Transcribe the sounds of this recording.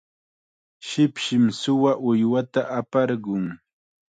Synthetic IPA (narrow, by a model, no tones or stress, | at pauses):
ʃɪpʃɪmsʊwaʔʊjwat̪aʔapɑɾɢʊŋ